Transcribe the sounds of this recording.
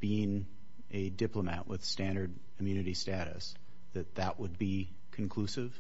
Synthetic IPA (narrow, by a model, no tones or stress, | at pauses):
b̥iɪ̃n | ɨdɪplˠəmæʔwɪð̥stæ̃ndə˞d | kʰmjʉnɨɾistæɾɨ̰s | ðɨt̪̚ðəʔwəd̚bi | kʰn̩kʰl̥usɪv̥